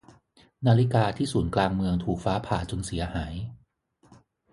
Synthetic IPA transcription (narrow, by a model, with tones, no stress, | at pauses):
naː˧li˦˥kaː˧t̪ʰiː˥˩suː˩˦nklaː˧ŋmɯ˧əŋt̪ʰuː˨˩k̚faː˦˥pʰaː˨˩t͡ɕo˧nsi˩˦ɐhaː˩˦j